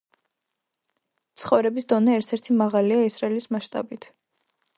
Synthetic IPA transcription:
t̪sʰχɔvɾɛbisd̪ɔnɛːɾt̪ʰɛɾt̪ʰimaʁaliaisɾaɛlismaʃt̪ʼa̰bit̪ʰ

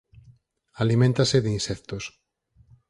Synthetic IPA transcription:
alimẽnt̪aseðeinsɛkt̪os

